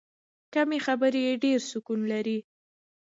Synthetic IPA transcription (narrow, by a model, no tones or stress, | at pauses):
kamexabəɾjeɖeɾsʊkunlaɾi